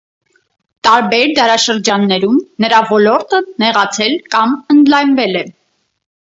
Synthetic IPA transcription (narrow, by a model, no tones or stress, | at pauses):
t̪ɑɾbɛɾd̪ɑɾɑʃəɾd͡ʒɑnːɛɾumnəɾɑvɔlɔɾt̪ənɛʁɑt͡sʰɛlkɑmənd̪lɑjnvɛlɛ